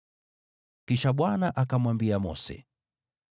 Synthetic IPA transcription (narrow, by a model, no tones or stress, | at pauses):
kiʃaɓwanaʔakamwambiamɔ̰sɛ̰